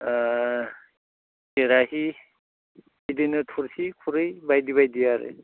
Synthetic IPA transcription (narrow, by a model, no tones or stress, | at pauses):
keɾahi | idinɯtʰuɾsikʰuɾɯjbajdiβajdijaɾɯ̰